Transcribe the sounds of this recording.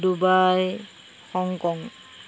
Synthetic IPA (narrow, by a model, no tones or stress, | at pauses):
dubaj | xɔŋkɔŋ